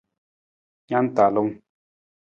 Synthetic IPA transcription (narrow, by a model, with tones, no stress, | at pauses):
ɲa˦n̩˦ta˨lo˦ŋ